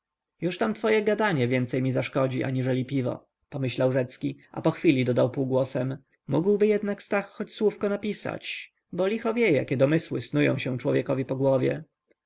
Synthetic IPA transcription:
juʂt̪amt̪fɔjɛɡad̪aɲɛvʲjɛnt̪sɛjmʲizaʂkɔd͡ʑiʔa̰ɲiʐɛlʲipʲivɔ̰ | pɔmɘɕlawʐɛt̪skʲiʔa̰pɔxfʲilʲid̪ɔd̪awpuːɡwɔsɛmː | uɡwbɘjɛd̪nakst̪axːɔt͡ɕswufkɔnapʲisa̰t͡ɕ | bɔlʲixɔvʲjɛja̰kʲɛd̪ɔmɘswɘsnujɔ̰̃w̃ɕɛ̃t͡ʂwɔvʲjɛkɔvʲipɔɡwɔvʲjɛ̰

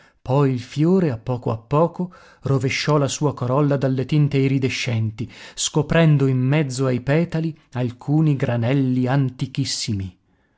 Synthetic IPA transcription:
pɔjilfjoːɾeapːɔːkoapːɔːko | roveʃːɔlasuːakoɾɔlːad̪alːet̪int̪eiɾid̪eʃːɛnt̪iskopɾɛnd̪oimːɛd̪zːoajpɛːt̪ali | alkʰuːniɡɾanɛlːiant̪ikisːimi

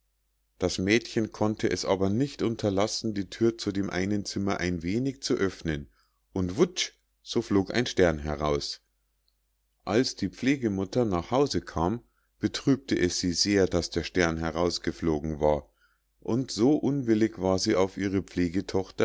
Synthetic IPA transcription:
d̥asmɛːtçənkʰɔntʰəʔɛsʔa̰ːbɐnɪçtʔʊntʰɐlasn̩diːtʰyːɐt͡sudeːmʔa̰ɪnənt͡sɪmɐʔaɪnveːnɪçt͡suʔœfnən | ʔʊntv̥ʊt͡ʃ | z̥oːfloːkʔa̰ɪnʃtɛɐnɦɛʁaʊs | ʔalsd̥iːp͡fleːɡəmʊtɐnaːχhaʊzəkʰaːm | b̥ətʁ̥yːp̚tʰəʔɛsz̥iːzeːɐdasd̥eːɐʃtɛɐnɦɛʁaʊsɡ̥əfloːɡŋ̩va̰ːɐ | ʔʊntz̥oːʔʊnvɪlɪçv̥aːɐziːaʊfʔiːʁ̞əp͡fleːɡətʰɔχtɐ

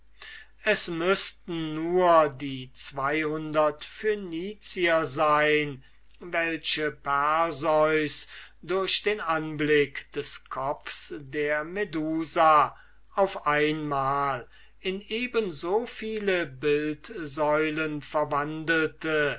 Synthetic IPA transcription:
ɛsmʏstn̩ːuːɐdiːt͡sv̥aɪhʊndɐtfyniːt͡siɐzaɪn | vɛlɕəpɛɐzɔʏsdʊɐɕd̥eːnʔanblɪkd̥ɛskʰɔfsdeːɐmeduːza | ʔaʊfʔaɪnmaːl | ɪneːbənzoːfiːləbɪltzɔʏlənfɛɐvandəl̩tə

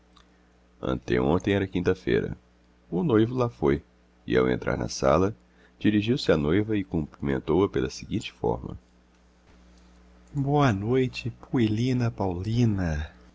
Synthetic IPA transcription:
ɐ̰̃nt̪ɛõnt̪ẽj̃ɛɾɐkĩnt̪ɐfḛjɾɐ̰ | ʊnojvʊlafoj | ɪa̰wḛ̃nt̪ɾʔa̰ɾnɐ̰sa̰lɐ | d͡ʒiɾiʒiwsɪanojvɐɪkõmpɾimẽnt̪owɐpelɐsɪɡĩt͡ʃɪ̥fɔ̰ɾmɐ̰ | boɐnojt͡ʃɪpʰuelĩnɐpawlĩnɐ

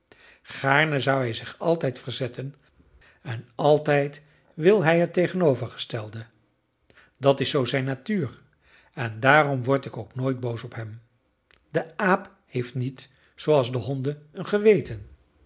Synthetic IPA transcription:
χaːɹnəzʌwɦɛjzɪχɑlˠtɛjtfəɹzɛtən | ɛnɑlˠtɛjt | ʋɪlˠɦɛjətejχənowvəɹχə̥stɛlˠdə | dɑtɪsowzɛjnaːtyːr | ɛndaːrɔmʋɔɹtɪkowknoːjd̚bowsɔpɦɛm | dəaːp | hejftnit | sowɑlˠzdəɦɔndəənχəʋejtən

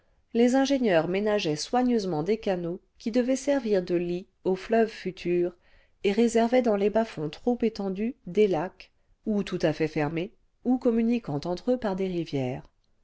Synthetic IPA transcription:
lezɛ̃ʒeɲjœʁmenaʒɛswaɲøzmɑ̃d̪ekano | kʲid̪əvɛsɛʁviʁd̪əli | oflœvfyt̪ʰyːʁ | eʁezɛʁvɛd̪ɑ̃lebafɔ̃t̪χopet̪ɑ̃d̪yd̪elak | ut̪ut̪afɛfɛʁme | ukɔmynikɑ̃t̪ɑ̃t̪χøpaʁd̪eʁivjɛːʁ

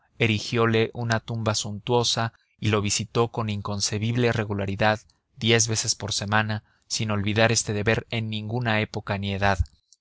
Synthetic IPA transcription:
e̞ɾixjo̞le̞ʔunat̪umbasunt̪wo̞sa | ilo̞β̞isit̪o̞ko̞niŋko̞nse̞βiβlere̞ɣulaɾiðað | d̪je̞zβe̞se̞spo̞ɾse̞mãna | sino̞lβiðaɾe̞st̪e̞ðe̞βe̞ɾe̞nːĩŋɡunae̞po̞kanie̞ðað

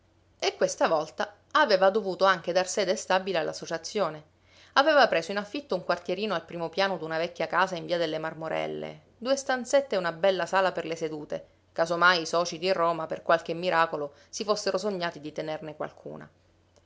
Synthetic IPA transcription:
ekːwest̪avɔlt̪a | aveːvad̪ovuːt̪oaŋk̟ed̪arsɛːd̪est̪abilealːasːot͡ʃat̪sːjoːne | aveːvapɾeːszoinafːit̪ːouŋkwart̪jeɾiːnoalpɾiːmopjaːnod̪unavɛkʲːjakaːsaiɱviːad̪elːemarmoɾɛ̰lːḛ | d̪uːest̪ant̪set̪ːeunabɛlːasaːlaperlesed̪uːt̪ḛ | kasomajisɔːt͡ʃid̪irːoːmaperkwalk̟emːiɾʔaːkolo | sifosːeɾosoɲːaːt̪id̪it̪enernekwa̰lkʰṵːna̰

